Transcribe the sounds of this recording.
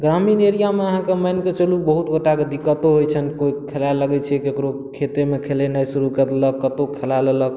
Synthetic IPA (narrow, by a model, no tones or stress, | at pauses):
ɡɾamineɾijameəɦãkeməjnket͡ʃəlubəɦut̪ɡoʈːaked̪ikːət̪oɦojt͡ʃʰənkoikʰelaləɡɛt͡ʃʰɛkekɾo | kʰet̪emekʰelenəjsuɾukəd̪ləkːət̪okʰelalelək